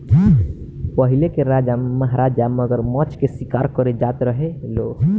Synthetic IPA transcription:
pəɦilekeɾad͡ʒaməɦɾad͡ʒaməɡəɾmət͡ʃkesikaɾkəɾed͡ʒat̪ɾəɦelo

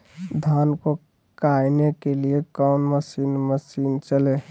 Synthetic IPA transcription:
d̪ʱaːnko | kajnekeliekɔʊnməsiːnməsiːnt͡ʃəleː

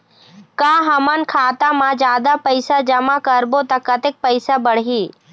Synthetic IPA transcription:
kaːɦəmənkʰaːt̪amãd͡ʒjaːd̪apəɪsad͡ʒɐmakəɾbot̪akɐt̪ek̚pəɪsabəɽ̤ɦiː

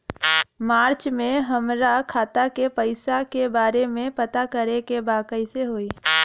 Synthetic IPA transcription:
maːɾt͡ʃmẽɦɐmɾakʰaːt̪akepəɪsakebaːɾemẽpɐt̪akəɾekebaːkəiseɦoːiː

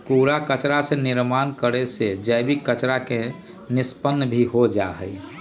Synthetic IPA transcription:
kuɾakət͡ʃɾasẽniɾmankəɾesed͡ʒəjbikːət͡ʃɾake | nispənːbʱiɦod͡ʒaɦə̰j

